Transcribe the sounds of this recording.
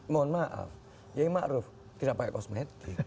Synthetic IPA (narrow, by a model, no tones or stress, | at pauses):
mɔnmaʔa̰f | jaimaʔɾuf | t̪iɾapakɛʔkɔsmɛt̪i